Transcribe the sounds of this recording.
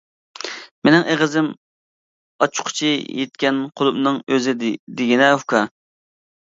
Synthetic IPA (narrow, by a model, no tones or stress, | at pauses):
menɪŋeʁəzɪm | ɑt͡ʃʰʊ̥qʰʊ̥t͡ʃʰijet̪̚kʲɛnqʰolˠʊpnɨŋøzɪd̪eɡʲinɛhukʰɑ